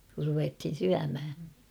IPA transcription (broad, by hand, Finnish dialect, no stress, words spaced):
kur ruʋethin̞ syæmhæ